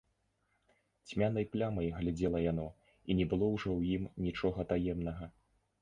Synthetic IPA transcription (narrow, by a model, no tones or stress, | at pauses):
t͡sʲmʲanɐjplʲamɐjɣlʲad͡zʲɛlˠɐjanɔ | inʲɛbɨlˠɔwʐɔwjimnʲit͡ʂɔɣɐt̪ajɛmnɐɣɐ